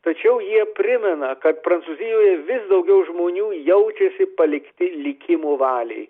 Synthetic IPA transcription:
t̪ɐt͡ʃʲɛʊjiɛpʲɾʲɪmʲɛnɐkɐt̪pɾɐntsuːzʲɪjoːjɛʋʲɪsd̪ɐʊɡʲɛʊʒmoːnʲuːjɛʊt͡ʃʲɛsʲɪpɐlʲɪkt̪ʲɪlʲɪkʲɪmoːʋɑːlʲɛɪ

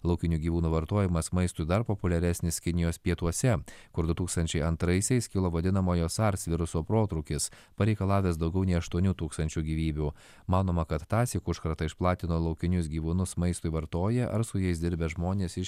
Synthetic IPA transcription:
lˠɐʊkʲɪnʲuːɡʲiːʋuːnuːʋɐɾt̪oːjɪmɐsmɐɪst̪ʊɪd̪ɐɾpopʊlʲɛɾʲɛsʲnʲɪskʲɪnʲɪjoːspʲiɛt̪uɔsʲɛkʊɾd̪ʊt̪uːkst̪ɐnʲt͡ʃʲɛɪɐnt̪ɾɐɪsʲɛɪskʲɪlˠoːʋɐd̪ʲɪnɐmoːjoːsɑɾʲsʲʋʲɪɾʊsoːpɾoːt̪ɾʊːkʲɪs | pɐɾʲɛɪkɐlˠɑːʋʲeːsd̪ɒʊɡʲɛʊnʲɛɪɐʃt̪uɔnʲuːt̪uːkst̪ɐnʲt͡ʃʲuːɡʲiːʋʲiːbʲuː | mɑːnoːmɐkɐt̪ːɑːsʲɪkʊʃkɐɾt̪ɐɪʃplˠɑːt̪ʲɪnoːlˠɐʊkʲɪnʲʊs̬ɡʲiːʋuːnʊsmɐɪst̪ʊɪʋɐɾt̪oːjɛʔɐ̰ɾsʊjɛɪsd̪ʲɪɾʲbʲɛʒmoːnʲeːsɪʃ

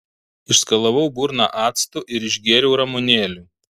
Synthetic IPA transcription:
ɪʃskɐlˠɐʋɐʊbuɾnɑ̰ʔɑːt̪st̪ʊʔɪɾɪʒʲɡʲiɛɾʲɛʊɾɐmʊnʲeːlʲu

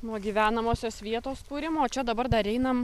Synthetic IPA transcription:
nuɔɡʲiːʋʲæːnɐmoːsʲoːsʋʲiɛt̪oːskuːɾʲɪmoːt͡ʃʲɛd̪ɐbɐɾd̪ɐɾʲɛɪnɐm

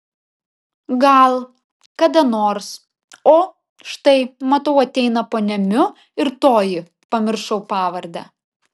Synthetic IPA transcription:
ɡɐlˠ | kɐd̪ɐnoːɾs | oː | ʃt̪ɐɪmɐt̪ɐʊɐt̪ʲɛɪnɐpoːnʲɛmʲʊ | ɪɾt̪oːjɪ | pɐmʲɪɾʃɐʊpɑːʋɐɾʲd̪ʲɛ̰

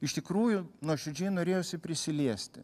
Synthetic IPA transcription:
ɪʃt̪ʲɪkɾuːjʊnuɔʃʲʊd͡ʒʲɛːnoːɾʲeːjoːsʲɪpʲɾʲɪsʲɪlʲiɛsʲt̪ʲɪ̰

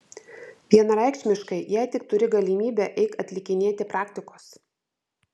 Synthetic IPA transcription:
ʋʲiɛnɐɾɑˑɪkʃʲmʲɪʃkɐɪjæɪt̪ʲɪk̚t̪ʊɾʲɪɡɐlʲɪmʲiːbʲɛːʔɛɪkɐt̪ʲlʲɪkʲɪnʲeːt̪ʲɪpɾɑːkt̪ʲɪkoːs

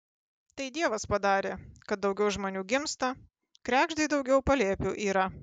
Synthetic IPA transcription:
t̪ɐɪd̪ʲiɛʋɐspɐd̪ɑːɾʲeːkɐt̪̚d̪ɒʊɡʲɛʊʒmoːnʲuːɡʲɪmst̪ɐ | kɾʲæːɡʒd̪ɐɪd̪ɒʊɡʲɛʊpɐlʲeɛpʲuːʔiːɾɐ

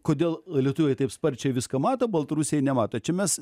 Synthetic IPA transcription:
koːdʲeːlˠlʲiɛt̪ʊʋʲɛɪt̪ɐɪpspɐɾʲt͡ʃʲɛɪʋʲɪskɐmɑːt̪oːbɐlˠt̪ɐɾusʲejɛnʲɛmɑːt̪ot͡ʃʲɛmʲɛs

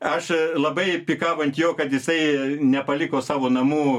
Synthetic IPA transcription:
ɐʃlˠɐbɐɪpʲikɑːʋɐnʲt̪ʲjoːkɐt̪jɪsɐɪnʲɛpɐlʲɪkoːsɑːʋoːnɐmuː

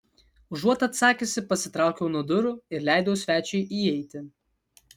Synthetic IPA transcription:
ʒuɔt̪ɐt̪sɑːkʲesʲɪpɐsʲɪt̪ɾɑˑʊkʲɛʊnuɔd̪ʊɾʊɪɾlʲæˑɪd̪oʊsʲʋʲæːt͡ʃʲɛɪʔiːɛɪt̪ʲɪ

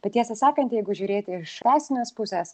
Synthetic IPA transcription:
b̥ʲɐt̪jʲiɛsʲɐsɑːkɐnt̪ʲjɛɪɡʊʒʲʊːɾʲeːt̪ʲɪɪʃɑːsʲɪnʲoːspʊsʲɛs

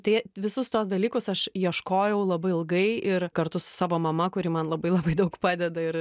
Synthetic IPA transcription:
t̪ɐɪʋʲɪsʊst̪uɔsd̪ɐlʲiːkʊsɐʃiɛʃkoːjɛʊlˠɐbɐɪɪlˠɡɐɪɪɾkɐɾt̪ʊsʊ̥sɑːʋoːmɐmɐkʊɾʲiːmɐnlˠɐbɐɪlˠɐbɐɪd̪ɐʊkpɑːd̪ʲɛd̪ɐɪɾ

